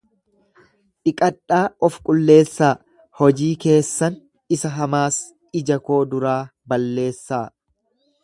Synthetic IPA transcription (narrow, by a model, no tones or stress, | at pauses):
ᶑɪkʼɐᶑaːɔfkʼʊlːe̞ːsːaː | hɔd͡ʒiːke̞ːsːɐn | ɪsɐɦɐmaːs | ɪd͡ʒɐko̞ːd̪ʊɾaːbɐlːe̞ːsːaː